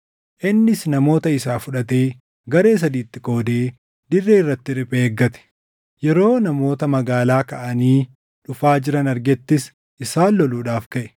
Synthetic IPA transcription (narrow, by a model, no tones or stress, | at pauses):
ʔɪnːɪsnɐmo̞ːt̪ɐɪsaːfʊᶑɐt̪e̞ː | ɡɐɾe̞ːs̬ɐd̪iːt̪ːɪko̞ːd̪eː | d̪ɪrːeːɪrːɐt̪ːɪᶑɪpeːɡːɐt̪ɛ̥ | jɛɾo̞ːnɐmo̞ːt̪ɐmɐɡaːlaːkɐʔɐniː | ᶑʊfaːd͡ʒɪɾɐnɐɾɡɛt̪ːɪs | ʔɪsaːlːɔluːᶑaːfkɐʔɛ̥